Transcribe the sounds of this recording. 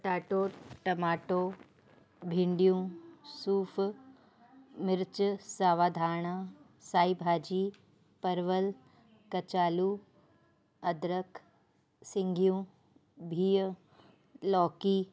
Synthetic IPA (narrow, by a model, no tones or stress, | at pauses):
ʈaːʈoːʈɐmaːʈo | bʱɪ̃ɳɖijũsuːf | mɪɾt͡ʃsaːʋaːd̪ʱaːɳ̃a | saːibʱaːd͡ʑiː | pɐɾʋəl | kɐt͡ʃaːluː | ɐd̪ɾəkʰ | sɪ̃ŋɡʱjũː | bʱiːə | lɔːkiː